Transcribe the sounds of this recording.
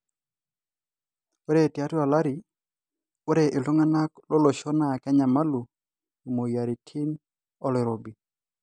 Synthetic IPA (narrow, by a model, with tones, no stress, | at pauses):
o˦ɾe˦˨tja˦tu˦a˨la˦ɾi˨ | o˦ɾe˨ʔɪ˨lo˦ŋa˦na˦klo˦lɔ˨ʃɔ˦na˨kɛ˦ɲa˨ma˦lu˨ | mo˨ja˨ɾi˨tʰi˦n | ɔ˦le˨ɾo˨bi˨